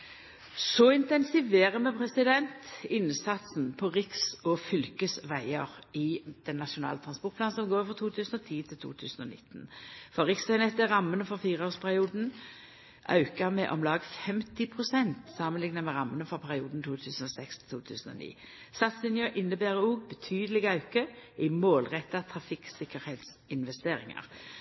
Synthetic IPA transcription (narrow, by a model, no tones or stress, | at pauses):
sɔɪnt̪ɛnsɪʋeːʁəmɛpʰɾɛsɪd̪ɛnt̪ɪnsɑt̪sn̩pʰɔʁɪksɔfʏlkəsʋæɪəʁɪd̪̥ɛnːɑʂʊnɑ̰ːlət̪ʰʁɑnspɔʁʈ̪̚pʰlɑːnsɔmɡoːɾɪfʁɔt̪ʰuːt̪ʰʉːsnɔt̪ʰiːt̪ʰɪlt̪ʰṵːt̪ʰʉ̰ːsn̩ɔ̰nɪ̰t̪ːnfɔɾʁɪksʋæɪnɛt̪æʁɑmːənəfɔʁfiːʁəoːspʰæʁɪuːd̪n̩ | ʔɑ̰ʉkɑmɛʔɔmlɑːɡfɛmt̪ɪpʰʁʊsɛnt̪sɑːmənlɪŋnəmɛʁɑmːənəfɔʁpʰæʁɪuːd̪n̩t̪ʰuːt̪ʰʉːsnɔsɛkst̪ʰɪ̥lt̪ʰuːt̪ʰʉ̰ːsn̩ɔ̰nḭː | st̪ɑt̪sɪnjøːʔɪnːəbæːɾəuːɡbət̪ʰyːd̪əlɪɡɑʉkəɪmoːlʁɛt̪ːɑt̪ʰʁɑfɪksɪkəɾheːt̪s | ɪnʋɛst̪eːɾɪ̰ŋɑ̰ʁ